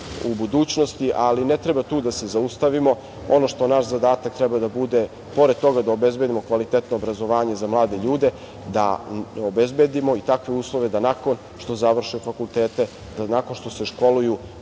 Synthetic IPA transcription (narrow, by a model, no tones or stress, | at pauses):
ubud̪uːt͡ɕnost̪iʔalinet̪ɾebat̪uːd̪ase̞zaust̪aʋimo̞ | o̞no̞ʃt̪o̞naʃzad̪aːt̪akt̪ɾɛbad̪abud̪e̞ | po̞ɾed̪t̪o̞ɡad̪aobe̞zbe̞d̪imo̞kʋalit̪et̪noːbɾazo̞ʋaːɲe̞zamlˠaːd̪e̞ʎuːd̪e̞ | d̪a̰obezbe̞d̪imoit̪akʋeuːslˠo̞ʋe̞d̪anako̞n | ʃt̪ozaʋr̩ʃujufakulˠt̪eːt̪e | d̪anako̞nʃt̪o̞se̞ʃko̞luju